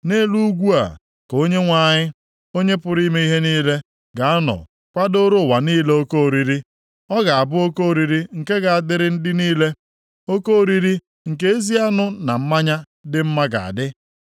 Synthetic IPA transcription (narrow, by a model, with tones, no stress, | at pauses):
ne˦lu˦ɡʷu˦a̰˨ | ko˦ɲe˦ŋʷa˨ɲɪ˦ | o˦ɲe˦pʊ˦ɾi˦me˦i˦ɦe˦niː˦le˦ | ɡa˨a˦nɔ̰˨ | kʷa˦do˦ɾo˦˨wa˨niː˦le˦o˦ko˦˨ɾi˨ɾi˦ | ɔ˦ɡa˨a˨bʊ˦o˦ko˦˨ɾi˨ɾi˦ŋ̩˨ke˦ɡa˨a˦˨dɪ˦ɾɪ˦n̩˦dɪ˦niː˦le˦ | o˦ko˦ɾi˦ɾi˦ | ŋ̩˨ke˦e˦zi˦a˦nʊ˦na˨m̩˦ma˦ɲa˦ | dɪ˦m̩˦ma˦ɡa̰˨a̰˨dɪ˦